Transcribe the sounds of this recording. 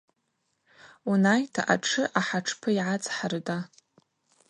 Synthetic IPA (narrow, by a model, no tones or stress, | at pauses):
unajtʰaʔaʈ͡ʂʰɨʔaħaʈ͡ʂʰpʰɨiʕat͡sʼħarda